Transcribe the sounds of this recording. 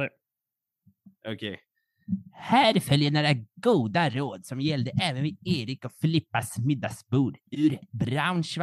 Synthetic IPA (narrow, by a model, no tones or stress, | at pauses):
ɔkʰe | hæːɾfœljəɳoːɾaɡuːd̪aɾoːd̪sɔmjɛld̪əʔɛːvənvɪeːɾɪkɔfɪlɪpːasmɪd̪ːasbuːɖʉɾbɾaʊnʂv